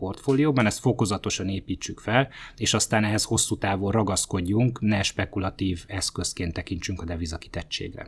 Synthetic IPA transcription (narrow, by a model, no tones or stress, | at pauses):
po̞rt̪foːlijoːbɒnɛst̪fo̞ko̞zɒt̪o̞ʃɒneːpiːt͡ʃːykfɛleːʃɒst̪aːnɛɦɛsho̞sːuːt̪aːvorrɒɡɒsko̞ɟːuŋknɛʃpɛkulɒt̪iːvɛskøskeːnt̪ːɛkint͡ʃyŋkɒd̪ɛvizɒki̥t̪ɛt͡ʃːḛːɡrɛ̰